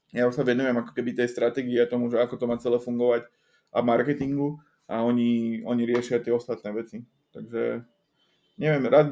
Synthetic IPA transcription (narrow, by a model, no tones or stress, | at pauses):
jausaʋɛnujɛmakɔ̥kɛbit̪ɛjst̪ɾat̪ɛːɡiiat̪ɔmuʒɛakɔt̪ɔmaːt͡sɛlɛːfuŋɡɔʋac | ʔamaɾkɛt̪iŋɡu | ʔaɔɲiɔɲiɾɪɛʃɪat̪ɪɛɔst̪at̪nɛːʋɛt͡si | t̪aɡʒɛ̰ | ɲɛʋɪɛmɾaːd̪